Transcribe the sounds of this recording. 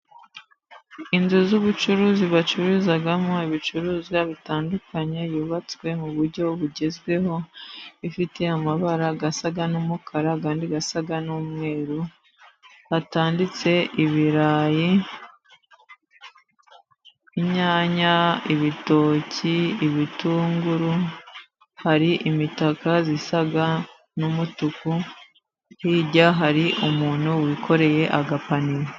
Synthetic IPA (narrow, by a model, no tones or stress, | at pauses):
inzuzuβut͡ʃuɾuːziβat͡ʃuɾuzaɡamŋo̞iβit͡ʃuɾuːzɡaβitaːndukaɲe̞juːβat͡swe̞muβuɾɟo̞βuɟezɡwe̞ho̞ifite̞amaβaɾaɡasaɡanumukʰaɾakaːndiɡasaɡanuːmŋe̞ːɾu | hataːndit͡se̞ʔiβiɾaːji | iɲaːɲaiβito̞ːciiβituːŋɡuɾu | haɾiʔimitakazisaɡa | numutuku | hiːɟaɦaɾiʔumuːn̥huwiːkʰo̞ɾe̞je̞ʔaɡapaniɾe